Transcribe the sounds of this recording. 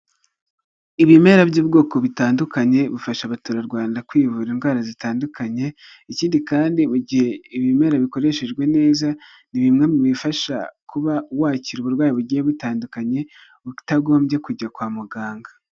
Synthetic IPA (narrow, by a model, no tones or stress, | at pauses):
iβime̞ɾabjuːbɡo̞ːko̞βitaːndukaɲe̞βufaʃaβatuɾaɾɡwaːndakwiːvuːɾinɡwaːɾazitaːndukaɲe̞ | iciːndikaːndimuɟihe̞iβime̞ɾaβiko̞ɾe̞ʃe̞ʒɡwe̞ne̞ːza | niβimŋe̞muβifaʃa̰kuβawaːciɾuβuɾɡwaːjiβuɟiheβutaːndukaɲe̞ | βutaɡo̞ːmbje̞kuɟakwaːmuɡaːŋɡa